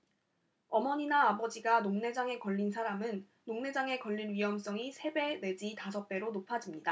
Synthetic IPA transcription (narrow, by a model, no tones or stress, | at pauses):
ʌmʌɲinaːbʌd͡ʑiɡanoŋne̞d͡ʑaŋe̞kʌʎːinsʰaɾamɯnː | oŋne̞d͡ʑaŋe̞kʌʎːinɥiɦʌms͈ʌŋisʰe̞be̞nwe̞d͡ʑitasʰʌk̚p͈e̞ɾonopʰad͡ʑimɲida